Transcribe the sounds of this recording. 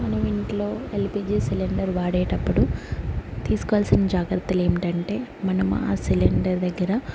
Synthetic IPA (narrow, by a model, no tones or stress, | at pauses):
mɐnɐʋiɳʈlo̞ːelpiːd͡ʒiːsiliɳɖɐɾʋaːɽɛːjʈɐpːuɽu | t̪iːsu̥kɔʋaːlsinɐd͡ʒaːɡɾɐt̪ːɐle̞ːmiʈɐɳʈe̞ːmɐnɐmṵa̰ːsiliɳɖɐɾd̪ɐɡːɐɾɐ